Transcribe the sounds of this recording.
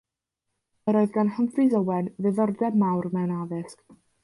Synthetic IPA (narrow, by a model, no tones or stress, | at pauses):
əɾɔɨðɡanhəmfizəwɛnvɨðɔrdɛmawrmɛwnaðɪsk